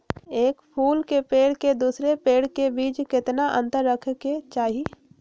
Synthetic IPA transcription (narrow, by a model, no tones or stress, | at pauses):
eːkpʰuːlkepeːɽked̪uːsɾepeːɽ̤kebiːt͡ʃkɪt̪naʔə̰̃nt̪əɾːəkʰket͡ʃaːɦi